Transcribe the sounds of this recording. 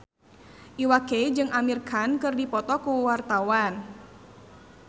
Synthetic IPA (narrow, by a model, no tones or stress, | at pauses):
ʔiwaked͡ʒɨŋʔamirkʰankɨrdipɔt̪ɔkuwart̪awan